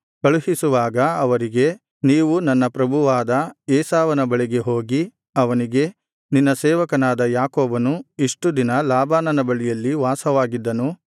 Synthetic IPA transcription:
kɐɭuɦisuʋaːɡɐɐʋɐɾiɡe̞ | niːʋunɐnːɐpɾɐbʱuʋaːd̪ɐɛːsaːʋɐnɐbɐɭiɡe̞ɦoːɡi | ɐʋɐniɡe̞ | ninːɐsɛːʋɐkɐnaːd̪ɐjaːkɔːbɐnuiʂʈud̪inɐlaːbaːnɐnɐbɐɭɛjɐlːiʋaːsɐʋaːɡid̪ːɐnu

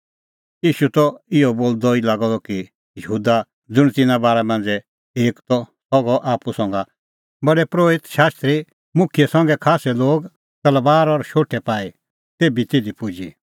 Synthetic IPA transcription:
iːʃut̪ɔɪɔboːld̪ɔilaːɡɔd̪ɔki | jəɦuːd̪a | d͡zʊɽ̃t̪ɪnabaːɾɛmɐ̃nd͡zɛ | eːkt̪ɔ | sɔɡɔʔaːpusɔ̃ŋɡa | bɐɽɛpɾoːɪt̪ʃaːst̪ɾi | mʊkʰijɛsɐ̃ŋɡɛkʰaːsɛloːɡ | t̪ɐlbaːɾɔɾʃoːʈʰɛpaːi | t̪eːbit̪eːd̪ipud͡ʒḭ

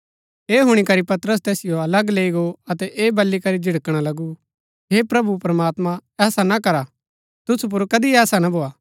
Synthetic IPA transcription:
eːɦʊɽ̃ikɐɾipɐt̪ɾəs̬t̪ɛːsɪjoɐləɡleːiɡoɐt̪ɛʔeːbɐlːikɐɾid͡ʒʱɪɽkɽ̃alɐɡu | ɦepɾɐbupɾɐmaːt̪mãɛːsanakɐɾa | t̪ʊsup̬ʊɾkɐd̪iɛːsanabʱoːaː

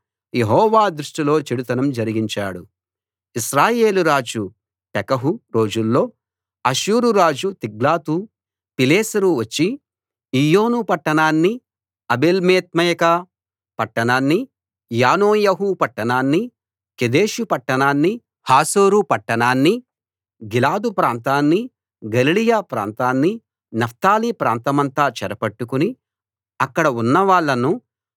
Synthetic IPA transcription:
jeɦɔːʋaːd̪ɾuʂʈilo̞ːt͡ʃiɽut̪ɐnɐmd͡ʒɐɾiɡiɲt͡ʃa̰ːɽu | iʃɾaːje̞ːluɾaːd͡ʒu | pɛkɐɦuɾo̞ːd͡ʒulːo̞ː | ɐʃuːɾuɾaːd͡ʒut̪iɡlaːt̪u | pileːsɐɾuʋɐt͡ʃːi | ijoːnupɐʈːɐɳaːnːi | ɐbelmeːt̪̚mɐjɐkɐ | pɐʈːɐɳaːnːi | jaːnoːjɐɦupɐʈːɐɳaːnːi | ked̪eːʃupɐʈːɐɳaːnːi | haːsoːɾupɐʈːɐɳaːnːi | ɡilaːd̪upɾaːnt̪aːnːi | ɡɐlilijaːpɾa̰ːnt̪aːnːi | nɐft̪aːlipɾa̰ːnt̪ɐmɐnt̪aːt͡ʃɐɾɐpɐʈːukuni | ɐkːɐɽɐunːɐʋaːɭːɐnu

